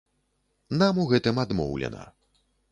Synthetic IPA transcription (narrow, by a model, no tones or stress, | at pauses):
namuɣɛt̪ɨmad̪mɔ̰wlʲɛ̰nɐ̰